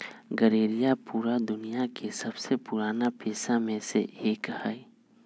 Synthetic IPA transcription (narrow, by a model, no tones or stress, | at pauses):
ɡɐɾeːɾijapuːɾad̪ʊnijakesɐbsepʊɾaːnapeːsamẽsḛeːkhai